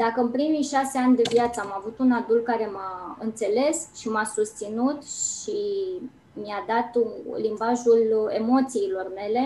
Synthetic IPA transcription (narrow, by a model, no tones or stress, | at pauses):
d̪akəɨnpɾimijʃase̞anʲd̪e̞vjat̪səamavut̪unad̪ult̪̚kaɾe̞maɨnt̪se̞le̞sʃimasust̪sinut̪ʃi | miad̪at̪limbaʒule̞̰mo̞t̪siːlo̞rme̞le̞